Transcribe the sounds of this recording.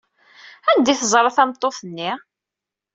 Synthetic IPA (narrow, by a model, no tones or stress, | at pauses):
ænd̪iθəzˤɾˤɑθæmt̪ˤːoθənːi